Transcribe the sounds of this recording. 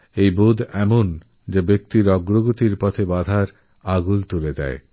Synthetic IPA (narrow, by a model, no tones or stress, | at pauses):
ejbod̪ɛmon | d͡ʑabek̚t̪iɾɔɡɾoɡot̪iɾpɔt̪ʰebad̪ʱaɾ | aɡult̪uled̪ɛ̰e